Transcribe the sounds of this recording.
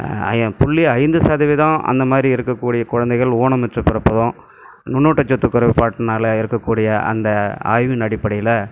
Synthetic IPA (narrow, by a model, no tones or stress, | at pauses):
pʊɭːiɐɪnd̪ɯsaːðɐʋɛðãːʔɐ̰nd̪ɐmaːd̪ɾiɪɾɯkːɐkːuːɽɪjɐkʊɻɐnd̪ɛɪɣɐɭoːɳɐmɪʈrɐpɪɾɐpːɐðõ | nʊnːoːʈːɐt͡ʃːɔt̪ːɯkːʊɾɐʋɪpaːʈːɯnaːlɐɪɾɯkːɐkːuːɽɪjɐʔɐ̰nd̪ɐa̰ːjʋɪnɐɽɪpːɐɽɐjɪlɐ